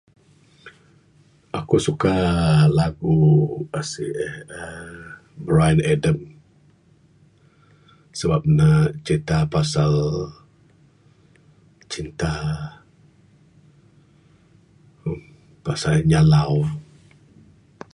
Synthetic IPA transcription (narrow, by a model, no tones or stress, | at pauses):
ʔakusukalaɡuasiə | bɾajənɛdəm | səbap̚naʔt͡ʃint̪apasal | t͡ʃint̪a | pasalɲalaw